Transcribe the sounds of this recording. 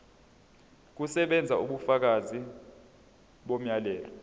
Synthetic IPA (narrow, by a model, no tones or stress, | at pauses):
k̬usɛɓɛnd͡zʱauɓufak̬azi | ɓom̩jalɛːlɔ